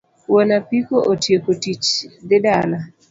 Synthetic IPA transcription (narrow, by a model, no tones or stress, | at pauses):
wonapikoʔotjekotit͡ʃd̪ɪdala